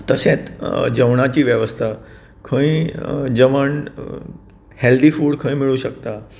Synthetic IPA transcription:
t̪əsẽt͡sd͡ʑəʋɳat͡ɕiːʋjəʋəst̪ʰa | kʰə̃ĩd͡ʑəʋəɳ | held̪ifuːɽkʰə̃ĩmiɭuɕəkt̪a

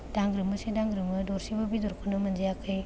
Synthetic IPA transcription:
d̥aŋɡɾɯmɯsidaŋɡɾɯmɯdɔɾsibɐbidɔɾkʰunɐmɐnd͡ʒijakʰɯj

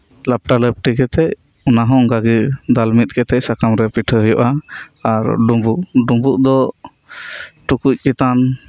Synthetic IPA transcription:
lap̚ʈaləp̚ʈikɛt̪ɛc̚ | ɔnaɦɔ̃ŋɡaɡid̪almit̪̚kɛt̪ɛc̚sakamɾɛpiʈʰəɦəjɔʔaaɾɖumbuʔɖumbuʔd̪ɔ | ʈukuc̚kɛt̪an

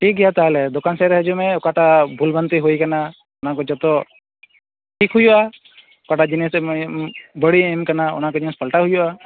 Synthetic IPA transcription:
ʈʰik̚ɡɛjat̪aɦalɛd̪ɔkansɛɾɛɦəd͡ʒumẽʊkaʈabʱulbənt̪iɦoikana | ʊnakɔd͡ʒɔt̪ɔ | ʈʰikɦujua | ʊkaʈad͡ʒinis | bəɽiemkanaʊ̰nɦakɔd͡ʒinispʰəlʈaɦujua

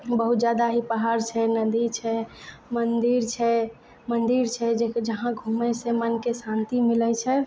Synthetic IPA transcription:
bəɦut̪̚d͡ʒjad̪aɦipəɦaɾt͡ʃʰɛnəd̪it͡ʃʰɛmənd̪iɾt͡ʃʰɛ | mənd̪iɾt͡ʃʰɛd͡ʒed͡ʒəɦãɡʱumɛsemənkesãnt̪imilɛt͡ʃʰɛ

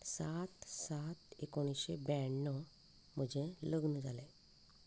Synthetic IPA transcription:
saːt̪saːt̪ekoɽ̃iʃebɛɳːɔ | məd͡ʒʱeləɡnud͡ʒale

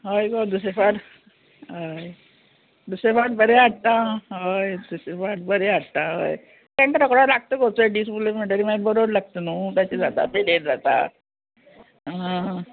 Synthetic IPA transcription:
ɦəjɡod̪usefaʈ | ɦəj | d̪usefaʈ̚bəɾeaɽt̪ãɦəjd̪usefaʈ̚bəɾeaɽt̪ãɦə̰j | t̪ẽɳʈ̪əɾəkɽalaɡ̚t̪əkot̪oeɖis̬ipulem̤əɳʈəɾimabɔɾoʋəɾlaɡ̚t̪ənuːt̪jat͡ɕed͡zat̪a̰t̪eleʈd͡zat̪a̰ | ã

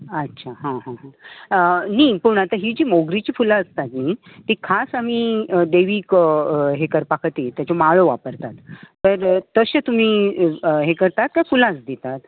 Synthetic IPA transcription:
ətːɕʰaɦãɦãɦãənipuɳ̃at̪aɦid͡ʑiːmoɡɾit͡ɕiːfulaəst̪at̪niː | t̪iːkʰasam̤iːəd̪eʋiːkɦekəɾpakʰt̪iːt̪jat͡ɕomaɭoʋapəɾt̪at̪təɾt̪əɕət̪um̤iːɦekəɾt̪at̪̚kjafulãt͡sd̪et̪at̪

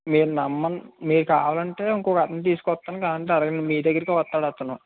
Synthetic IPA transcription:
miːɾunɐmːɐnmiːɾukaːʋaːlɐɳʈe̞ːiŋkɔːkɡɐt̪ɐnt̪̬iːsu̥kɔt̪ːaːnkaːɐɳʈeɐɾɐɡɐnmiːd̪ɐɡɐɾikiʋɐt̪ːaːɽat̪ːunːɐ̰

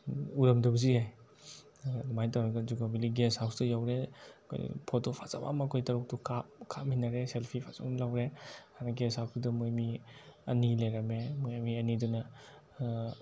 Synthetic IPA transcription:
uɾɐmdɐbɐziaj | majtawɾɐɡɐzuɡamiliɡeshawsdɐjawɾekʰo̰j̰pʰotopʰaza̰ba̰mɐkʰojtɐɾuk̚tukʰakʰamhinːɐɾeselpʰipʰaza̰bamlawɾeanaɡesawstudɐmujmiɐ̰nilajɾɐmemujamiɐnidunɐ

